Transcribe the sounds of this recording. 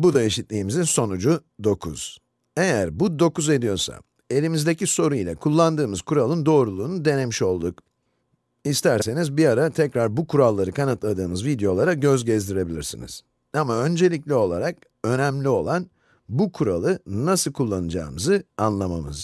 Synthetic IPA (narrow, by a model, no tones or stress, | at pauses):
bud̪ae̞ʃit̪lʲiːmizinso̞nud͡ʒud̪o̞kʰṵz̥ | e̞jæɾbud̪o̞kuze̞d̪ijo̞ɾsa̰ | e̞lʲimizd̪e̞ciso̞ɾuilʲˠa̰kʰulˠːand̪ɯːmɯz̥kʰuɾalˠɯnd̪o̞ːɾulˠuːnud̪e̞ne̞miʃo̞lˠd̪uk | ist̪ʰæɾse̞nizbiaɾat̪ʰɛcɾaɾbukʰuɾalˠːaɾɯkʰanat̪lˠad̪ɯːmɯzvid̪ejo̞lˠaɾaɟø̞zɟɛzd̪iɾe̞bilʲiɾsḭnḭz̥ | amaø̞nd͡ʒe̞lʲiclʲio̞lˠaɾak | ø̞næmlʲio̞̰lˠan | bukʰuɾalˠɯnasɯlˠkʰulˠːanɯd͡ʒa̰ːmɯzɯanlˠama̰mɯ̰z̥